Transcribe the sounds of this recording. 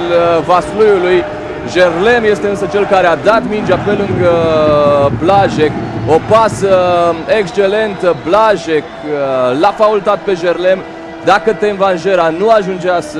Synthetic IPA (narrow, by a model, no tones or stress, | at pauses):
lvaslujuluj | ʒerle̞mje̞st̪e̞ɨnsət͡ʃe̞lkaɾead̪at̪mind͡ʒape̞lɨŋɡə | blaʒekopasəekst͡ʃe̞le̞nt̪əblaʒeklafault̪at̪̚pe̞ʒe̞rle̞m | d̪akət̪envanʒe̞ɾanuaʒund͡ʒeas